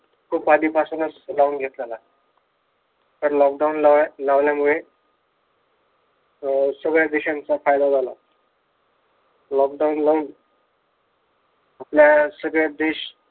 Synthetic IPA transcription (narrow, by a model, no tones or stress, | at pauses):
kʰuːpad̪iːpasunəslauːnɡʱet̪lala | t̪əɾlɔk̚ɖaunlalaʋljamuɭe | səɡɭjad̪eɕãnt͡safajd̪ad͡zʱala̰ | lɔk̚ɖaunlauːn | apljasəɡɭjad̪eɕ